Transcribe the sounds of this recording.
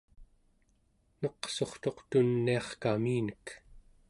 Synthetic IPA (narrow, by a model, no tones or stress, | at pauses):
noqso̞χt̪o̞qt̪unːiɑχkamiːnək